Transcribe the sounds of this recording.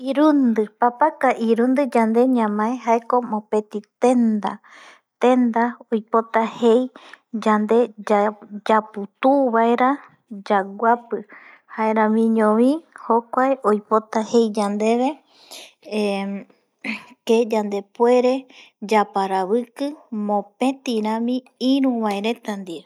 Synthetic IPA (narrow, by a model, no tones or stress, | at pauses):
iɾund̪ɨpapakaʔiɾũnd̪ɨd͡ʒand̪e̞ɲãmãẽɦaeko̞mõpe̞t̪it̪ẽ̞nd̪a | t̪ẽnd̪aojpo̞t̪ahe̞jd͡ʒand̪e̞ | d͡ʒaput̪uβaeɾa | d͡ʒaɡʷapɨ | haeɾãmĩɲõʋĩhokʷaeʔojpo̞t̪ahe̞jd͡ʒand̪e̞βe̞ | ked͡ʒand̪e̞pwe̞ɾe̞d͡ʒapaɾaβɨkɨmõpẽ̞t̪iɾãmĩ | ĩɾũβaeɾe̞t̪and̪ie